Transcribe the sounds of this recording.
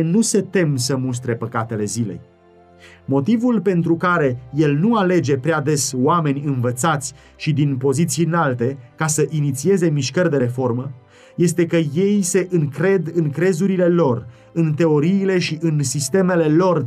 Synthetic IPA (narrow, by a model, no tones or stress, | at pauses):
nuse̞t̪e̞msəmus̬t̪ɾe̞pəkat̪e̞le̞zile̞̰j | mo̞t̪ivulpe̞nt̪ɾukaɾe̞je̞lnuale̞d͡ʒe̞pɾead̪e̞soame̞nʲɨnvət̪sat̪sʲ | ʃid̪inpo̞zit̪siɨnalt̪e̞kasəʔinit̪sie̞ze̞miʃkərʲd̪e̞ɾe̞fo̞rmə | je̞st̪e̞kəje̞jse̞ʔɨŋkɾe̞d̪ɨŋkɾe̞zuɾile̞lo̞r | ɨnt̪e̞o̞ɾiːle̞ʃiʔɨnsist̪e̞me̞le̞lo̞r